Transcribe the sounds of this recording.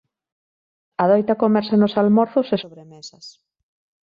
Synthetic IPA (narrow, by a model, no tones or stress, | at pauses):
ɐðɔjt̪ɐkomɛɾsanʊsalmɔɾθʊsesoβɾemesɐs